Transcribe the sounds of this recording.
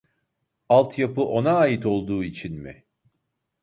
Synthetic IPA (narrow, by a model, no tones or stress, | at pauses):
alˠt̪ʰjapɯʔo̞naːjit̪o̞lˠd̪uːit͡ʃʰinmɪ̰